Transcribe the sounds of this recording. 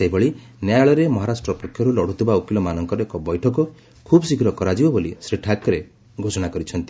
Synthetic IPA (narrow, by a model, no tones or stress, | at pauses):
seɦibɔɭi | njajaɭɔɾemɔɦaɾasʈɾɔpɔkʰjɔɾulɔɽ̤ʱut̪ʰibaukilɔmanɔŋkɔɾɔekɔbɔjʈʰɔkɔ | kʰubɔsikʰɾɔkɔɾad͡ʒibɔbolisɾiʈʰakɔɾe | ɡʱosɔɽ̃akɔɾit͡ʃʰɔnt̪i̥